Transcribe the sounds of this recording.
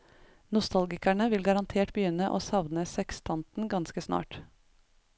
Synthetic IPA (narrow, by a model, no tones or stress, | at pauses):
nʊst̪ɑlɡɪkæɳəʋɪlɡɑɾɑnt̪ʰeːʈbjʏnəʔo̰ːsɑʋnəsɛkst̪ʰɑnt̪n̩ɡɑnskəsnɑ̰ːʈ